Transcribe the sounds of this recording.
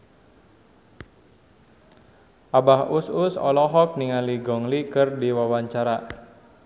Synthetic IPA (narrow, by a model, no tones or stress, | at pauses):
ʔabahusʊsɔ̰lɔɦɔk̚niŋaliɡɔŋlikɨrdiwawaɲt͡ʃaɾa